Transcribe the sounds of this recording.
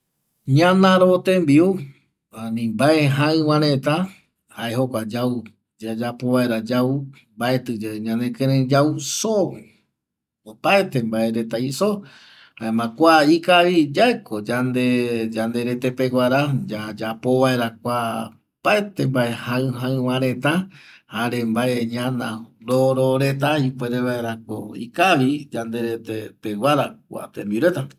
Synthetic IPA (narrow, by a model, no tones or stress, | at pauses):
ɲãnãɾot̪embiu | ãnĩmbaeɦãɨ̃wãɾet̪a | haeɦo̞kʷad͡ʒau | d͡ʒad͡ʒapo̞βaeɾad͡ʒau | mbae̞t̪ɨd͡ʒeɲãnẽkẽɾẽd͡ʒauso | opaet̪e̞mbaeɾe̞t̪aiso | haemãkʷaikaβid͡ʒaekod͡ʒand̪ed͡ʒand̪e̞ɾet̪epeɡʷwaɾad͡ʒaad͡ʒapo̞βae̞ɾakʷa | paet̪embae̞haɨ̃ɦãɨ̃wãɾẽt̪ãhaɾembaʔeɲãnãɾoɾoɾe̞t̪̬aipʷeɾeβaeɾakoḭkaʋid͡ʒand̪e̞ɾet̪epeɡwʷaɾakʷa̰t̪ẽmbiuɾe̞t̪a